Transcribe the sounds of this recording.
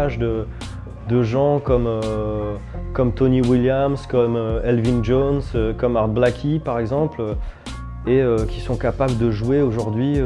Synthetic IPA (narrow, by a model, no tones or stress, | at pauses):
aʒd̪ə | d̪əʒɑ̃kɔmø | kɔmt̪ɔniwiljamskɔmøɛlvinʒonsøkɔmaʁd̪̚blakʲʰipaʁɛɡzɑ̃plø | eøkʲisɔ̃kapabləd̪əʒuweoʒuʁd̪ɥi